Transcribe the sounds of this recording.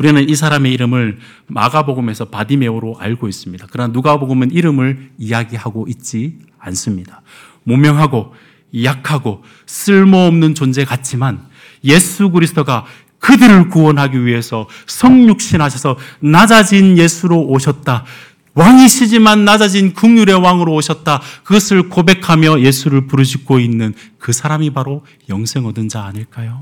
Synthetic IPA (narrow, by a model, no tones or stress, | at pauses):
uɾinɯnisʰaɾame̞iɾɯmɯɭ | ma̰ɡaboɡɯme̞sʰʌpadime̞oɾoʔa̰ɭɡois͈ɯmɲidakɯɾʌnanuɡaboɡɯmeniɾɯmɯɭijaɡihaɡoʔit̚t͡ɕ͈i | ans͈ɯmɲid̥ḁ | momjʌŋɦaɡo | jakʰaɡo | s͈ɯɭmoːmnɯnt͡ɕond͡ʑe̞kat͡ɕʰiman | je̞sʰuɡɯɾisʰɯ̥t͈ʰoɡa | kɯdɯɾɯɭkuwʌnɦaɡiɥiɦe̞sʰʌ | sʰʌŋɲuk̚ɕ͈inɦaɕʰʌsʰʌnad͡ʑad͡ʑinje̞sʰuɾoːɕʰʌt̚t͈a | waŋiɕʰid͡ʑimanːad͡ʑad͡ʑinkuŋjuɾe̞waŋɯɾoːɕʰʌt̚t͈akɯɡʌsʰɯɭkobe̞kʰamjʌje̞sʰuɾɯɭpuɾɯɕ̬ʰik͈oinːɯn | kɯsʰaɾamibaɾo | jʌŋsʰe̞ŋʌdɯnd͡ʑaːɲɯɭk͈ajo